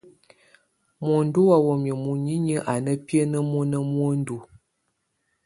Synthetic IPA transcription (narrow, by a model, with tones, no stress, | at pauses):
mo˨n˦du˦wa˦wo˨mə˨mu˨ɲi˦ɲə˦ʔa˨nə˦pjə˦nə˦mu˦nə˦mwo˦n̩˦du˨